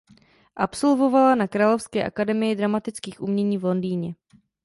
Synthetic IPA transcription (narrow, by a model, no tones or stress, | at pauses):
ʔapso̞lvo̞valanakɾaːlo̞fskɛːʔa̰kadɛmɪjɪdɾamat̪ɪt͡skiːxʔumɲɛɲiːvlo̞ndiːɲɛ